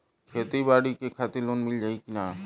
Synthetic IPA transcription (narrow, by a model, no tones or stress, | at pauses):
kʰeːt̪iːbaːɽiːkeːkʰaːt̪ɪloːnmɪld͡ʒaːiːkɪnaː